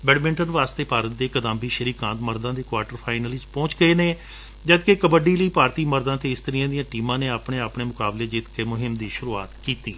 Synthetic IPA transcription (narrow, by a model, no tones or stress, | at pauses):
bɛːɖmɪ̃ɳʈənʋaːst̪eːpaːɾət̪̚d̪eːkəd̪ãːmbiːʃəɾiːkãːnt̪məɾd̪ãːd̪eːkʋaːɾʈəɾpʰaːɪnəlɪt͡ʃpɔ̃ːt͡ʃɡəeːneː | d͡ʒəd̪kekəbəɖiːləiːpaːɾt̪iːməɾd̪ãːt̪eːɪst̪əɾɪjãːd̪ɪjãːʈiːmãːneːaːpɳeːaːpɳeːmʊkaːbleːd͡ʒɪːt̪kemʊɦɪmd̪iːʃʊɾuːaːt̪kiːt̪iː